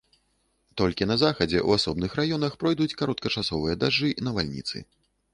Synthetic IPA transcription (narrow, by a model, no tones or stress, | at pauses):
t̪ɔlʲkʲinɐzaxɐd͡zʲɛʔṵasɔb̚nɨxrajɔnɐxpɾɔjd̪ut͡sʲkaɾɔt̪̚kɐt͡ʂasɔvɨjɐd̪aʐɨnɐvalʲnʲḭt̪sɨ̰